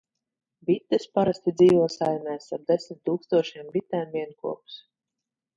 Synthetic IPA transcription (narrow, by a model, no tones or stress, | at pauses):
bit̪ːɨspaɾasʲt̪ʲid̪ziːvuɔsajmʲɛːst̪aɾ̚d̪esʲmʲit̪ːuːkst̪uɔʃiɛmbit̪ːɛːmviɛnkṵɔps